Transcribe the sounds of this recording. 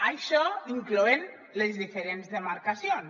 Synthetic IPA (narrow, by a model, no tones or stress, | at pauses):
ajʃɔiŋklɔen | lezðifeɾenzðemaɾkasjon